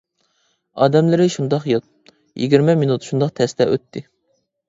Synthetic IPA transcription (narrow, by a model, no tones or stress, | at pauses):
ɑːd̪ɛmlɪɾɪʃund̪ɑqjot̪̚ | jḭɡʲiɾmɛminut̪ʃund̪ɑqt̪ʰɛst̪ɛʔøt̪ʰːɪ